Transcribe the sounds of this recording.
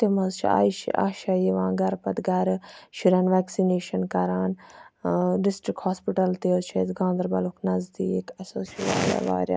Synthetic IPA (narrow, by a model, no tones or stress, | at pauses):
t̪emɐzt͡ʃʰa̰ːiʃḭʔa̰ːʃaːjiʋãːɡɐɾpɐd̪ɡɐɾʃiɾaːnʋɛːksineːʃɐnkɐɾaːn | ɖɪsʈɾɪkhaːspɪʈɐlt̪eozt͡ʃʰeːzɡãːnd̪ɐɾbɐlukʰnɐzd̪iːekɐsoːsiʋa̰ːɾja̰ːʋa̰ːɾja̰ː